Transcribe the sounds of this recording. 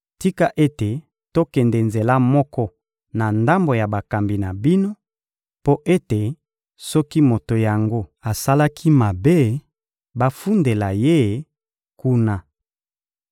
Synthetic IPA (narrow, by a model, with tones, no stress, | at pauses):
ti˦ka˦ʔe˦te˨ | to˦kɛ˨nde˨nze˨la˦mɔ˦kɔ˦ | na˨nda˦mbo˨ja˨ba˨ka˨mbi˨na˨bi˦no˦ | po˦ʔe˦te˨ | sɔ˦ki˦mo˨to˨ja˨ŋɡo˦a˨sa˦la˦kʰi˦ma˨be˦ | ba˦fu˦nde˨la˨je˦˨ | ku˦na˦